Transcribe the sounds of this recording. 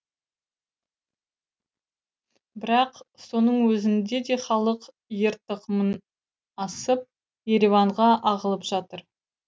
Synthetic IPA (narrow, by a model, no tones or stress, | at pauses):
bɪɾɑqso̞nəɴwɵzɪnd̪e̞d̪e̞χɑlˠəq | jəɾt̪əqəmən | ɑsəp̚ | je̞ɾevɑɴʁɑʔɑʁəlˠəpʒ̥ɑt̪əɾ